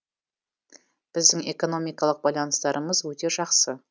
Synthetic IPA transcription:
b̥ɪzd̪ɪŋe̞ko̞no̞mijkɑlˠəq̚bɑjlˠɑnəst̪ɑɾʔəməzwɵt̪e̞ʒɑqsə

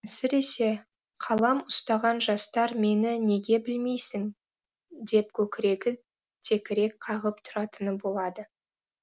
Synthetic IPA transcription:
sɪɾe̞se̞ | qʰɑlˠɑmʊst̪ɑʁɑnʒɑst̪ɑɾme̞nɪne̞ɡʲe̞bɪlme̞jsɪŋ | d̪e̞p̚kʲʰɵkʲɪɾe̞ɡʲɪ | t̪ʰe̞kʲɪɾe̞kqʰɑʁəp̚t̪ʰʊɾɑt̪ənəbo̞lˠɑd̪ə

